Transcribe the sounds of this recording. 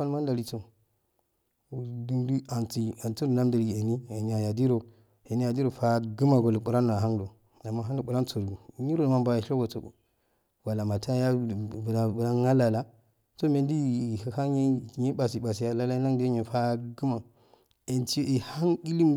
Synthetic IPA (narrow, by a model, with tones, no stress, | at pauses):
a˦lma˦nda˨ɾi˨to˨ | du˦ndu˦a˨nti˨a˨ntu˦ɾna˦m˦da˨ɾɡi˨e˨ni˦a˨ɲa˨ja˨di˦ɾo˨ | e˨ni˦ja˨di˦ɾo˨fa˦ɡu˦ma˨ɡo˨lo˨ku˨ɾa˦n˨a˨ɦa˦ŋdo˨ | a˨mːa˦ɦa˦o˨ɓu˨ɾa˦nt͡so˨ɾɡu˨ni˦ɾo˦˨n˨ma˦mba˨a˨ʃo˦ɡo˨to̰˨ | wa˨la˨ma˨ta˦ja˦˨bla˨bu˨la˦ŋa˦la˨la˦ | so˦me˨ndi˦˨a˨ha˦ɲ˦˨ɲe˦ɓa˨si˨ɓa˨si˨ja˨la˦la˦i˦na˦ŋdi˦ɲe˨fa˦ɡi˦ma˨ | e˨nti˦o˦˨i˨ha˦ni˦li˦m